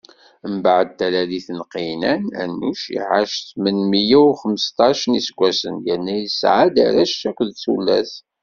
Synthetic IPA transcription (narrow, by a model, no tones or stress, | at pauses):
əmbaʕəd̪̚t̪ːælæðiθənqinænæ̰nːuʃḭʕaʃθmənmijæwχəməst̪ˤɑʃənisəɡʷːæsənjənːæjəsʕad̪a̰ɾæʃækʷðθulːæ̰θ